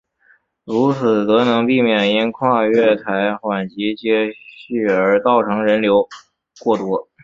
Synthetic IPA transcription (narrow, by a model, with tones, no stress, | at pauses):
ɻu˧˥t͡sʰɹ̩˨˩t̪ɤ˧˥nɤ˧˥ŋpi˥˧mjɛ˥˩ni˥nkʰwa˥˧ɥɛ˥˩t̪ʰa˧˥ɪxwa˨˩nt͡ɕi˧˥t͡ɕjɛ˥y˥˩ə˞˧˥t̪ɑ˥˩ʊʈ͡ʂʰɤ˧˥ŋɻə˧˥nljo˧˥ʊ | kwɔ˥˩t̪wɔ˥